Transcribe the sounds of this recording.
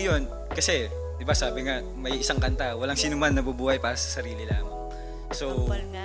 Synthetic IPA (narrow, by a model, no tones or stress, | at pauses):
jon | kɐsɛ | d̪ɪbasaːbɪŋa | mɐjɪsaŋkɐnt̪awɐlaŋsiːnʊmanːɐbubuːhɐjpaːɾɐsɐ̥sɐɾiːlɪlaːmaŋ | so